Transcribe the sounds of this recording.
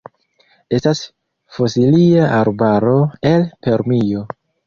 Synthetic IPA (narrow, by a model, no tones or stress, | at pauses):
e̞stas | fosiliaʔaɾbaɾo̞e̞lpe̞ɾmijo̞